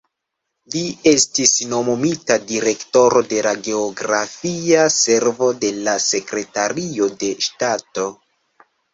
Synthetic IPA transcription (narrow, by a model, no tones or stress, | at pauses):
lie̞stisno̞momitadiɾe̞kto̞ɾo̞de̞laɡe̞oɡɾafiase̞ɾvo̞de̞lase̞kɾe̞taɾio̞de̞ʃtato̞